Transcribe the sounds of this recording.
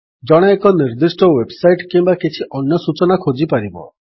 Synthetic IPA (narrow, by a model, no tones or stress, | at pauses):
d͡ʒɔɽ̃ɔekɔniɾd̪isʈɔwebsajʈkimbakit͡ʃʰiʔɔnjɔsut͡ʃɔnakʰod͡ʒipaɾibɔ̰